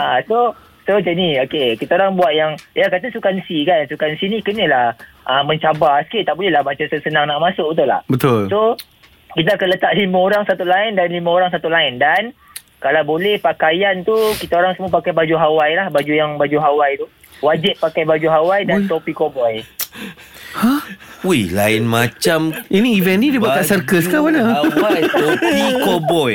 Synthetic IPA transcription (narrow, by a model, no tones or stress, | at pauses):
aso | sod͡ʒəniokekit̪aoɾaŋbuaʔ̪̚jaŋjakat̪asukansikansukansinĩkənəlah | ʔəmə̃ɲt͡ʃabasə̥kiʔt̪aʔbolɛlahmat͡ʃasəsənaŋnaʔmasʊʔ̚bət̪ula̰hbət̪ʊlso | kit̪aːkanlət̪aʔlimãoɾaŋsat̪ulaɪndanlimãoɾaŋs̬at̪ulaɪndan | kalawbolɛhpakajant̪ukit̪aoɾaŋsəmuapakajbad͡ʒuɦawajlahbad͡ʒujaŋbad͡ʒuɦawajt̪u | wad͡ʒɪʔ̪̚pakajbad͡ʒuɦawajdant̪opikobɔj | hahulaɪnmat͡ʃaminĩːvɛnnidibaaʔsarkəskawanaawajumukobɔj